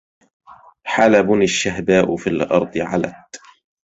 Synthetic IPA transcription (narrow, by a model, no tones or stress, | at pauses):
ħalabʊnɪʃːaɦbaːʔʊfiːlʔɑ̰ɾˤd̪ˤɨʕa̰la̰t̪